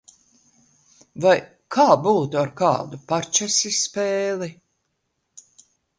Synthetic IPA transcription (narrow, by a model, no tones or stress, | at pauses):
vaj | kʰaːbuːt̪uaɾka̰ːd̪upaɾt͡ʃɛsʲisːpeːli